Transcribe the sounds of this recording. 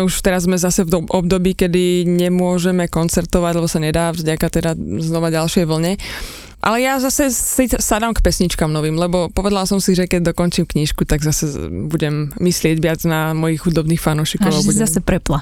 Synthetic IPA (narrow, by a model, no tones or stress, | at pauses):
uʃt̪ɛɾazːmɛzasɛvʔɔb̚d̪ɔbiːkɛd̪iɲɛmʊɔʒɛmɛkɔnt͡sɛɾt̪ɔʋaɟlɛbɔsaɲɛd̪aːvzɟakat̪ɛd̪aznɔʋaɟalʃɪɛjʋl̩ɲɛ | ʔa̰lɛjazasɛsisad̪amkpɛsɲit͡ʃkamnɔʋiːmlɛbɔpɔʋɛd̪alsɔmsiʒɛkɛɟ̚d̪ɔkɔnt͡ʃimkɲiʃkut̪aɡzasɛbuɟɛmːislɪɛɟʋɪad͡znamɔjixxud̪ɔbniːxfanuːʃiːkɔʊabuzasɛpɾɛpla